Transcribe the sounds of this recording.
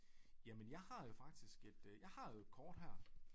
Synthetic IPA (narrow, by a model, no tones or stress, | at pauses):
jæmenjɑ̈ɪhɑ̈jo̝fɑ̈ɡ̥̚d̥isɡ̥e̝d̥jɑ̈ɪhɑ̈jokʰɒːd̥ɦæɐ̰